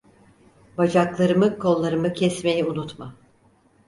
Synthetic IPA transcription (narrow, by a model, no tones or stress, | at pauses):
bad͡ʒaklˠaɾɯmɯkʰo̞lˠːaɾɯmɯcʰɛsme̞jiunut̪ma